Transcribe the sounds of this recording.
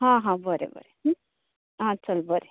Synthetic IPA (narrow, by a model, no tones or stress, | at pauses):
ɦãɦãbəɾḛbə̰ɾeɦ | ɦãt͡səlbəɾe